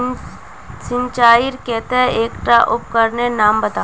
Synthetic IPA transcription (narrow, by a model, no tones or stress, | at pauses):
sɪ̃ɲt͡ʃaːɪɾkɛɦt̪eɦɛ̃eːkʈɾaʔʊp̚kɐɾnenaːmbɐt̪aː